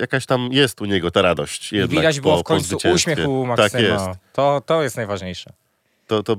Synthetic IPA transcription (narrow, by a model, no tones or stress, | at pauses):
jakaɕt̪amjɛst̪uɲɛɡɔt̪aɾad̪ɔɕt͡ɕjɛd̪nad̪ad͡ʑbwɔfpkɔ̃ɔɲt̪zvut͡ɕɛ̃usɕmʲekʲxɛumakt̪ak̪sjɛɔst̪t̪ɔt̪ɔjɛst̪najvaʐɲejʂɛ | t̪ɔt̪ɔ